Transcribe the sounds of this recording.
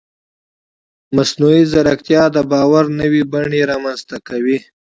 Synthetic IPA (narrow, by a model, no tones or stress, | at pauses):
masnuizaɾakt̪jɑd̪əbɑwaɾnəwibaɳeɾɑmanzt̪akawi